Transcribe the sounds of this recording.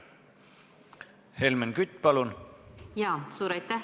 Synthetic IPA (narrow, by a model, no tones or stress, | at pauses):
helmenkyt̪ʲːˑpɑlunjɑːsuːɾɑjt̪ːæ